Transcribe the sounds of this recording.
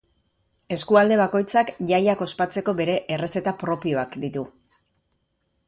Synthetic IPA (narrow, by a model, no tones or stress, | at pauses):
e̞skuald̪e̞β̞ako̞jt͡sakʝajako̞spat͡se̞ko̞be̞ɾe̞ʔere̞se̞t̪apɾo̞pio̞akd̪it̪u